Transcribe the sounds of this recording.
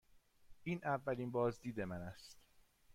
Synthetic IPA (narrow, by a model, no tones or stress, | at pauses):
ʔiːnʔævːæliːnbɒːzd̪iːd̪emænæst̪